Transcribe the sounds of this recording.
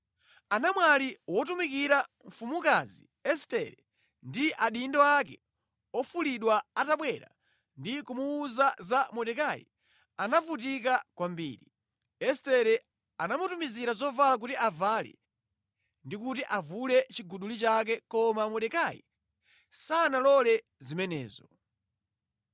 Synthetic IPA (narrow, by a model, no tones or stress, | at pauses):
anamwaliwɔtumikiɾa | ɱ̩fumukazḭ | ɛstɛɾɛ | ndiʔaɗindɔakɛ̰ | ɔfuliɗwaːtaɓwɛɾa̰ | ndikumuːzazamɔɗɛkajḭ | anavut̬ikakwambḭːɾi | ɛstɛɾɛ | anamutumiziɾazɔvalak̬utiʔavalɛ̰ | ndikutiʔavulɛt͡ʃiɡuɗulit͡ʃak̬ɛkɔmamɔɗɛkajḭ | sanalɔlɛ | zimɛnɛ̰ːzɔ